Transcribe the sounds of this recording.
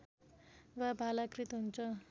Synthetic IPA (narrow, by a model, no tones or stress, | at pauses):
wabʱalakrit̪ɦunt͡sʰʌ